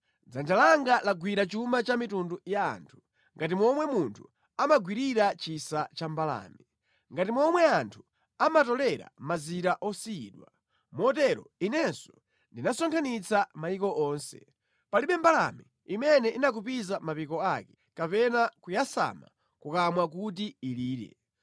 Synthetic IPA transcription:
d͡zand͡ʒalaŋɡalaɡwiɾat͡ʃumat͡ʃamitunduja̰ːntʰu̥ | ŋɡatimɔmwɛmuntʰu | amaɡwiɾiɾat͡ʃisat͡ʃambala̰ːmi | ŋɡatimɔmwɛantʰu̥ | amatɔlɛɾa̰maziɾaʔɔsiiɗwa | mɔtɛɾɔ̰inɛnsɔ̥ | ndinasɔŋkʰanit͡sʰamaikɔʔɔːnsɛ̰ | paliɓɛmbala̰mi | imɛnɛʔinak̬upizamapikɔakɛ̥ | kapɛnakujasa̰ma̰ | kukamwak̬ut̬iiliːɾɛ̰

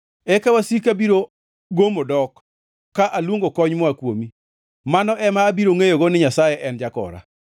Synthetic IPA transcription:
ɛkawasikabiɾo | ɡomodɔkː | aʔalwoŋɡokɔɲmɔakwomi | manɔʔɛmaːbiɾoŋejoɡonɪɲasajɛʔɛnd͡ʒakɔ̰ɾa̰

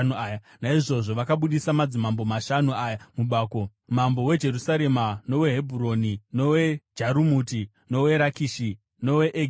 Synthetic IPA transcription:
nuaːja | naiʐo̞ʐo̞ʋakaɓuɗisamad͡zimambo̞maʃanuaːjamuɓaːko̞ | m̤ambo̞we̞d͡ʒe̞rusaɾe̞mano̞we̞ɦebʱuɾo̞nino̞wed͡ʒaɾumuti | no̞we̞ɾakiːʃi | no̞we̞ʔe

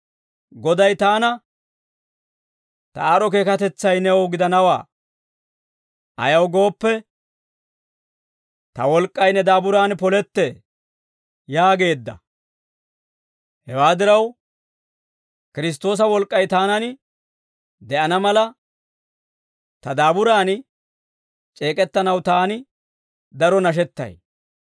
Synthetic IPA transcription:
ɡɔd̪ɐjt̪aːnɐ | t̪ɐ̰aːɾɔk̬e̞ːkɐt̪ɛt͡sːɐjnɛwɡɪd̪ɐnɐwa̰ː | ɐ̰jɐwɡo̞ːpːɛ | t̪ɐwɔlkʼːɐjnɛd̪aːbʊɾaːnpɔlɛt̪ːe | jaːɡe̞ːd̪ːɐ̰ | hɛwaːd̪ɪɾɐw | kɪɾɪs̬t̪o̞ːs̬ɐwɔlkʼːɐjt̪aːnɐnɪ | d̪ɛʔɐnɐmɐlɐ | t̪ɐd̪aːbʊɾaːn | t͡ʃʼe̞ːkʼɛt̪ːɐnɐwt̪aːnɪ | d̪ɐɾɔnɐʃ̬ɛt̪ːɐ̰j

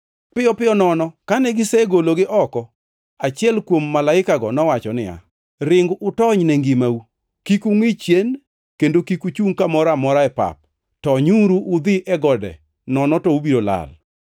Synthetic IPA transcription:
pɪjɔpɪɔnɔnɔkanɛɡɪsɛɡoloɡɪʔɔkɔ | at͡ʃɪɛlkwomːalaɪkaɡɔnɔwat͡ʃɔnɪja̰ | rɪŋɡʊtɔɲnɛŋɡimau | kikuŋɪt͡ʃjen | kendokikut͡ʃuŋkamɔɾamɔɾaɛpa̰p̚ | tɔɲuɾuʔʊd̪ɪʔɛɡɔdɛ̰ | nɔnɔtɔubiɾola̰l

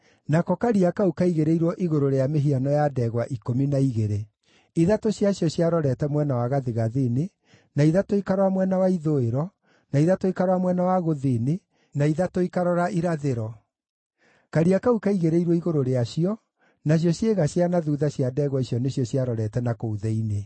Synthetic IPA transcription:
nakɔkaɾiakaukaiɣeɾeiɾwɔʔiɣoɾoɾeameɦianɔjadɛːɣwaʔikominaiɣeɾe | iðatoɕjaɕjɔɕjaɾɔɾɛtɛmwɛnawaɣaðeɣaðine | naiðatoikaɾwamwɛnawaiðoeɾɔ | naiðatoikaɾamwɛnawaɣoðene | naiðatoikaɾɔɾaʔiɾaðeɾɔ | kaɾiakaukaiɣeɾeiɾwɔiɣoɾoɾeaɕiɔ | naɕ̬jɔɕjeɣaɕjanaðuðaɕjadɛɣwaiɕjɔneɕjɔɕjaɾɔɾɛtɛnakouðɛine

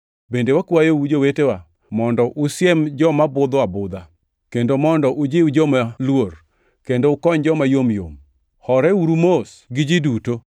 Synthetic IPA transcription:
bendewakwajoud͡ʒowetewa | mɔndɔʔʊsjɛmd͡ʒɔmabʊd̪oabʊd̪a | kendomɔndɔʔʊd͡ʒɪwud͡ʒɔmalwor | kendoʊkɔɲd͡ʒɔmajomjo̰m | hɔɾɛuɾumos | ɡɪd͡ʒiduto

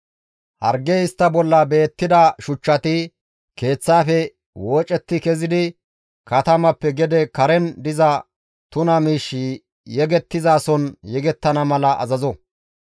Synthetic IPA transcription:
hɐɾɡːɛɪst̪ːɐbɔlːɐbe̞ːt̪ːɪd̪ɐʃʊt͡ʃːɐt̪ɪ | ke̞ːt͡sːaːfɛ | woːt͡ʃʼɛt̪ːɪkɛzɪd̪ɪ | kɐt̪ɐmɐpːɛɡɛd̪ɛkɐɾɛnd̪ɪzɐ | t̪ʊnɐmiːʃːi | jɛɡɛt̪ːɪzaːsɔnjɛɡɛt̪ːɐnɐmɐlɐʔɐ̰zɐzɔ

